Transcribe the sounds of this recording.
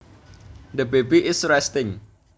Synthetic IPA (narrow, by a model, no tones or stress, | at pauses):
dəbebiʔɪsɹɛstɪ̃ŋ